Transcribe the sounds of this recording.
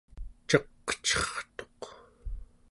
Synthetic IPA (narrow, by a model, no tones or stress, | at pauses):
t͡ʃʌqːə̥t͡ʃʌχt̪oq